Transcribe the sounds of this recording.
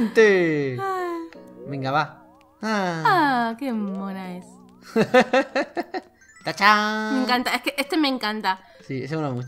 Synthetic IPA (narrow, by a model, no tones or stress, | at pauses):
nt̪ea | miŋɡaβa | aakemonaes | t̪at͡ʃameŋkant̪aeskeʔest̪emeŋkant̪a | sies̬eunamu